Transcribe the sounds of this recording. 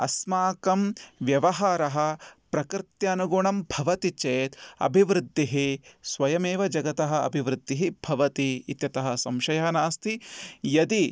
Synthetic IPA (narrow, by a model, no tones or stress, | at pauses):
ɐ̰smaːkɐmʋjɐʋɐɦaːɾɐɦɐ̆pɾɐkɾt̪jaːnuɡuɳɐmbʱɐʋɐt̪it͡ʃeːt̪ɐ̰bʱiʋɾɪd̪ʱːiɦisʋɐjɐmeːʋɐd͡ʒɐɡɐt̪ɐɦɐ̆ɐ̰bʱiʋɾɨɪd̪ʱːiɦibʱɐʋɐt̪iːt̪jɐt̪ɐɦɐ̆sɐmʃɐjɐɦɐnaːst̪ʰijɐd̪i